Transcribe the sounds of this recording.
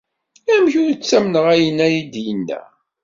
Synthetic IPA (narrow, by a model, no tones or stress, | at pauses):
æmçuɾt͡sːæmnəʁæjənːæjid̪jənːæ̰